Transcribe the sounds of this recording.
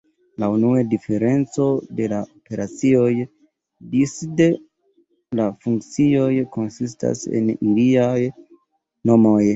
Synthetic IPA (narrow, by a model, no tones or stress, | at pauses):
launuadife̞ɾe̞nt͡so̞de̞laope̞ɾʔat͡sio̞j | disde | lafuŋkt͡sio̞jko̞nsista̰sḛniliaj | no̞mo̞j